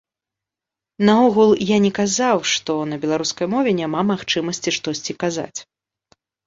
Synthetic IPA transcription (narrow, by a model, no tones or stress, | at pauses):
nɐɔɣulˠjanʲɛkazawʂt̪ɔnɐbʲɛlˠaɾuskɐjmɔvʲɛnʲamamaxt͡ʂɨmɐsʲt͡sʲiʂt̪ɔsʲt͡sʲikaza̰t͡sʲ